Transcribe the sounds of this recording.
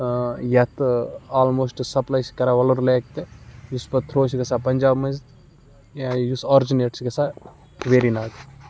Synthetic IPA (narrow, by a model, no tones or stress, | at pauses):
jɐt̪aːlmoːsʈsɐplajskɐɾaʋɐloɾleːk̚t̪ejuspɐt̪ʰɾoːsikɐsapɐnʲd͡ʒaːbmɐzt̪ | jajusɔːɾd͡ʒineːʈskɐsa | ʋeːɾinaːk